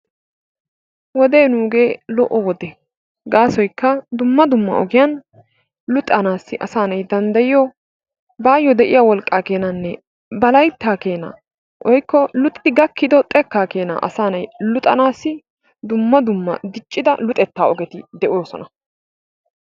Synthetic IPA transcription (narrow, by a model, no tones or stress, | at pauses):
wɔd̪e̞ːnuːɡe̞ːlɔ̰ʔɔwɔd̪ɛ | ɡaːsɔjkːɐd̪ʊmːɐd̪ʊmːɐ̰ʔɔɡɪjan | lʊt̪ʼːɐnaːsːɪʔɐsaːnɐjd̪ɐnd̪ɐjɪjɔ | baːjɔd̪ɛʔɪjawɔlkʼːaːke̞ːnɐnːɛ | bɐlɐjt̪ːaːkeːna̰ | ʔɔjkːɔlʊt̪ʼɪd̪ɪɡɐkːɪd̪ɔt̪ʼɛkːaːke̞ːna̰ːʔɐ̰saːnɐjlʊt̪ʼɐnaːsːɪ | d̪ʊmːɐd̪ʊmːɐ̰d̪ɪt͡ʃʼːɪd̪ɐlʊt̪ʼɛt̪ːaːɔɡɛt̪ɪd̪ɛʔʊoːsɔ̰nɐ